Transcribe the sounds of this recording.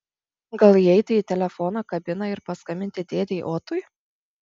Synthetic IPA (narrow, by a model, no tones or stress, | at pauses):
ɡɐlˠiɛɪt̪ʲɪiːt̪ʲɛlʲɛfɔnɐkɐbʲɪnɐɪɾpɐskɐmʲɪnʲt̪ʲɪd̪ʲeːd̪ʲɛʔoːt̪ʊj